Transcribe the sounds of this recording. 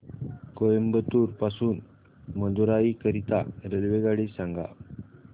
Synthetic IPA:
kojəmbət̪uːɾpasuːn | məd̪ʱuɾaikəɾit̪a̰ɾelʋeɡaɽisãŋɡa̰

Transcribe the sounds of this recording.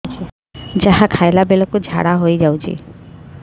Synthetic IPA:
d͡ʒaɦakʰaelabelokud͡ʒʱa̰ɽaɦojd͡ʒawt͡ʃʰḭ

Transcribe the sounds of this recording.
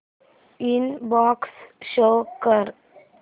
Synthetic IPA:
inbɔksʃokəɾ

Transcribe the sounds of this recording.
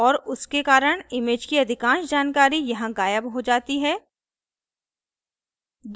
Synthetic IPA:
ɔːɾʊskekaːɾəɽ̃ɪmeːd͡ʒkiɐd̪ʱɪkãːʃd͡ʒaːnkaːɾijɐɦãɡaːjəbɦod͡ʒaːt̪iɦɛː | d̪

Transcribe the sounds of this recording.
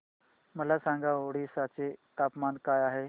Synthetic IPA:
məlasãŋɡaoɽisat͡set̪apmankajaɦe

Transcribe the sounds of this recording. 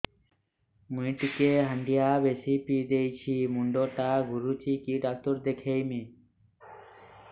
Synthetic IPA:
muiʈikeɦəɳɖijabesipid̪ejt͡ɕʰimuɳɖoʈaɡuɾut͡ɕikiɖak̚t̪oɾd̪ekʰejmi

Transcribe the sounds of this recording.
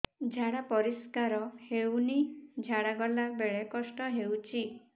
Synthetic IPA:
d͡ʒʱaɽapɔɾiskaɾɔhewnid͡ʒʱaɽaɡɔlabeɭekɔsʈɔɦewt͡ʃʰi

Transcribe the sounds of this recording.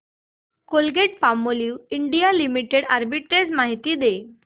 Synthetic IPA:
kolɡeʈ̚pamoliːwiɳɖijalimiʈeɽaɾbiʈɾed͡zmaɦit̪iːd̪e

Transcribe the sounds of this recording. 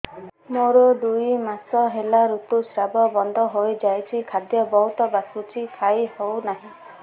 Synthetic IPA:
moɾod̪ujmasɔɦelaɾut̪usɾabɔbɔnd̪ʱɔɦojd͡ʒajt͡ʃʰikʰad̪jɔbɔɦut̪ɔbasut͡ʃʰikʰajhownaɦĩ

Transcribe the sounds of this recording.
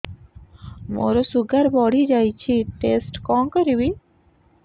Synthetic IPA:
mo̰ɾosuɡaɾbɔɽʱid͡ʑajt͡ɕʰiʈesʈkɔŋkɔɾibi

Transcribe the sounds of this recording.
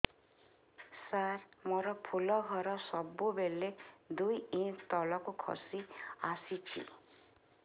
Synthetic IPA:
saɾmɔɾɔpʰulɔɡʱɔɾɔsɔbubeled̪ujint̪ɔlɔkukʰɔ̰siasit͡ʃʰḭ

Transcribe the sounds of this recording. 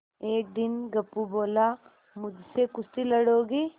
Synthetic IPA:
eːk̚d̪ɪnɡɐpːuboːla | mʊd͡ʒʱsekʊst̪ilɐɽɦoːɡiː

